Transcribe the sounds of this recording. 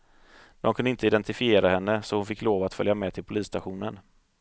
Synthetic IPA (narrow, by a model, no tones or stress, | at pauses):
d̪̥ɔmkʰɵnd̪əɪnt̪əɪd̪ɛnt̪ɪfɪeːɾahɛnːəsɔhʊnfɪkːloːvat̪fœ̰ljamɛːt̪ʰɪlpʰʊliːst̪aɧuːnən